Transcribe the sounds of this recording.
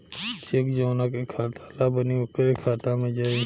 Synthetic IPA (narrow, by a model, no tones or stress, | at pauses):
t͡ʃekd͡ʒoːnaːkekʰaːt̪aːlaːbəniʊkəɾekʰaːt̪amẽd͡ʒai